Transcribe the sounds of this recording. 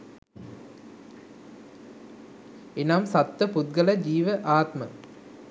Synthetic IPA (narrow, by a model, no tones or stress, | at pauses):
enaːmsɐt̪ʋɐpud̪̚ɡɐlɐd͡ʑiːʋəʔaːt̪mɐ